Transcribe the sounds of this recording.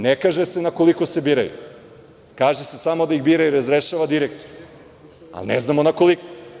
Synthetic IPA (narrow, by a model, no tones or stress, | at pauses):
nekaʒese̞nakolikosebiːɾa̰jṵ | kaːʒesesamo̞d̪aiɣbiːɾaiɾazɾeʃaʋad̪iɾek̚t̪oɾe | a̰lneznamonako̞liko̥